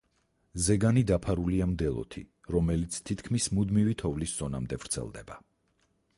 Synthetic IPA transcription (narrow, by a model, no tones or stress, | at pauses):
zɛɡanid̪apʰaɾuliamd̪ɛlˠɔ̰t̪ʰḭ | ɾɔmɛlit̪sʰt̪ʰit̪ʰkʰmismud̪mivit̪ʰɔvlisz̥ɔnamd̪ɛvɾt̪sʰɛ̰lˠd̪ɛ̰ba